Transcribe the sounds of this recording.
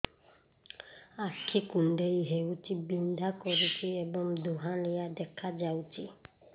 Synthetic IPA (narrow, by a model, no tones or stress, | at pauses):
akʰikun̩dɛiɦɛwutibin̩dakɔɾikiɛbɔ̃m̩doɦãleadɛkʰad͡ʒauti